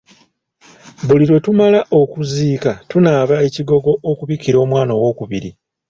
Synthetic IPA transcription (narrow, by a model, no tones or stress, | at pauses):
βuliɾwe̞tumalaʔo̞kuziːkatunaːβae̞ciɡo̞ɡo̞ʔokuβikiɾo̞ːmwaːno̞ːwo̞ːkuβiɾḭ